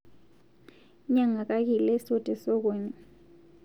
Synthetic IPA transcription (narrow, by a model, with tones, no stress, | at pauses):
ɲa˨ŋa˨kʼa˦k̬i˨lɛ˦so˦tʼɛ˨so˦k̬eː˨ɲɛ˨